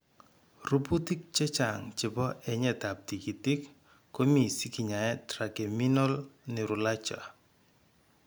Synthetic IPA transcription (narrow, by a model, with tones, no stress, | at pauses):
ru˦pu˦ti˦k̚t͡ʃɛ˦t͡ʃa˨ŋt͡ʃɪ˨bɔ˦ʔɛ˨ɲɛ˨ta˨p̚ti˨ki˨ti˦kː | o˦mi˨si˦ki˨ɲa˨ɛ˦tɾa˨ke˨mi˦nɔ˦lnɪ˨ɾʊ˨la˦t͡ʃa̰˨